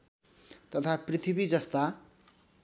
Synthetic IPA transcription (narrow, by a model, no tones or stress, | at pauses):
t̪ʌt̪ʰaprit̪ʰibid͡zʌst̪a